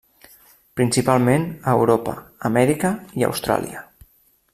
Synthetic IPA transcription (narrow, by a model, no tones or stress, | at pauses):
pɾinsipalˠmenəwɾopə̰ːmɛɾikəiə̰wst̪ɾa̰lˠḭə